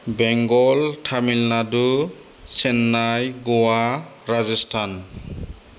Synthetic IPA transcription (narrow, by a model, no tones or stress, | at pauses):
bɛŋɡɔltʰamilnadu | sɛnːajɡɔwaɾazɛstʰan